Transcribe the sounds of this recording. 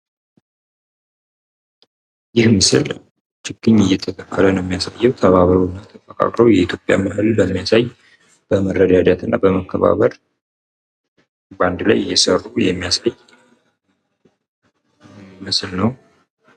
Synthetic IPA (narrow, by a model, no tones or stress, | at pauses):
jɪhmɨsɨl | t͡ʃɪkːɨɲːɨjːɛt̪ʰək̪ʰʼəkʰːələnmːijasajːɛwt̪ʰəβaβəɾunːat̪ʰəfʼəkʼa̰kʼɾowjɛit̪ʰjo̞pʼja̰mɨhɨlbəmːijasaj | b̥əmərːəd̪ad̪at̪ʰɨnːabəməkːəβa̰βəɾ | band̪lajɪjːɛsərːujɛmːijasaj | mɨslnəw